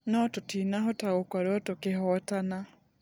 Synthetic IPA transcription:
nɔtotinaɦotaɣokwaɾɔtokeɦɔtana

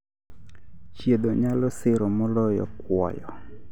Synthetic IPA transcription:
t͡ʃjed̪oɲalɔsɪɾɔmɔlɔjɔ̰kwɔ̰jɔ

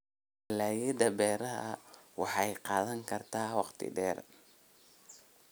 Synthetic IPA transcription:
ɪlaːjɐd̪ɐbɛːɾɐɦɐ̰wɑħɑjqɑːðɐŋkʰɐrt̪ʰaːwɑqt̪ʰɪ̰ɖɛːr

